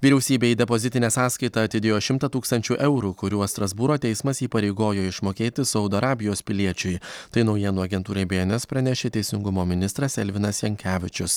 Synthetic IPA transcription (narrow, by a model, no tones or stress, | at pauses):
ʋʲiːɾʲɛʊsʲiːbʲeːiːd̪ʲɛpozʲɪt̪ʲɪnʲeːsɑːskɐɪt̪ɐɐt̪ʲɪd̪ʲeːjoːʃʲɪmt̪ɐt̪uːkst̪ɐnʲt͡ʃʲuːʔɛʊɾukʊɾʲuɔst̪ɾɐzbuːɾoːt̪ʲɛɪsmɐsiːpɐɾʲɛɪɡoːjoːɪʃmoːkʲeːt̪ʲɪsɒʊd̪oːɐɾɑːbʲɪjoːspʲɪlʲiɛt͡ʃʲʊjt̪ɐɪnɒʊjiɛnuːɐɡʲɛnt̪uːɾʲeːbʲeːnʲɛspɾɐnʲɛʃʲeːt̪ʲɛɪsʲɪŋɡʊmoːmʲɪnʲɪst̪ɾɐsɛlʲʋʲɪnɐsjɛŋʲkʲæːʋʲɪt͡ʃʲʊs